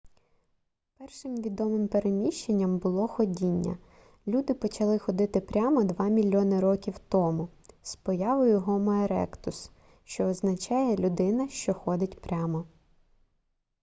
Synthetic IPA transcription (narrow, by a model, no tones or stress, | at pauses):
pɛrʃɪmʋʲid̪ɔmɪmpeɾemʲiʃt͡ʃenʲːɐmbʊlˠɔxɔdʲinʲːɐ̰ | lʲud̪ɪpɔt͡ʃɐlˠɪxɔd̪ɪt̪ɪpɾʲamɔd̪ʋɑmʲilʲːɔnɪɾɔkʲiwt̪ɔmʊ | spɔjɑʋɔjʊɦɔmɔeɾɛ̰kt̪ʊs | ʃt͡ʃɔːznɐt͡ʃɑjɛlʲʊd̪ɪnɐʃt͡ʃɔxɔd̪ɪtʲpɾʲɑmɔ